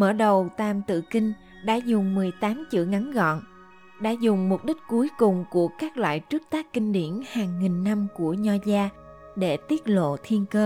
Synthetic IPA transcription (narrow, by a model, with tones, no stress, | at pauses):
mə̰ː˧˩ɗə˨˩wt̪aː˨˩mt̪ɨ̰˧˨kï˧ŋ̟ | ɗa̰ː˧˥zʊ˨˩ŋ͡mmɨ˨˩əjt̪aː˨˦mt͡ɕḭ˧˨ŋa˨˦nɣɔ̰˧˨n | ɗa̰ː˧˥zʊ˨˩ŋ͡mmʊ˨˩k͡p̚ɗï˦˥k̟̚ku˨˦jkʊ˨˩ŋ͡mku˧˩əkaː˦˥k̚lwa̰ː˧˨jt͡ɕɨ˦˥ək̚t̪aː˦˥kkï˧ŋ̟ɗḭ˧˩ənhaː˨˩ŋːi˨˩ŋna˧mku˧˩əɲɔ˧zaː˧ | ɗe˧˩t̪i˦˥ət̚lo̰˧˨t̪ʰi˧ənkəː˧